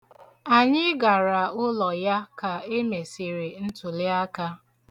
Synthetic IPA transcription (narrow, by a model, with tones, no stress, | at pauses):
a˨ɲɪ˦ɡa˨ɾa˨ʊ˦lɔ˨ja˦ka˨e˦me˨si˨ɾe˨n̩˦tʊ˨lɪ˦a˦ka˦